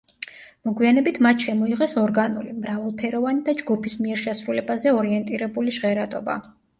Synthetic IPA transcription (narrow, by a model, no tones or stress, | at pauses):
mɔɡwianɛbit̪ʰmat̪ʰʃɛmɔiʁɛsɔɾɡanulimɾavalˠpʰɛɾɔvanid̪ad͡ʒɡupʰismiɛɾʃɛsɾulɛbazɛɔɾiɛnt̪ʼiɾɛbuliʒʁɛɾat̪ʼɔba̰